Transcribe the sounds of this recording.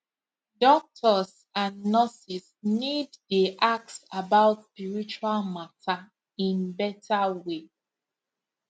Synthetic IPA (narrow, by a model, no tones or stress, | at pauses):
dɔk̚tʰɔs | ãnːɔsisniddiʔak̚tsabaʊtspiɹit͡ʃualmatʰa | ĩnbɛtʰawe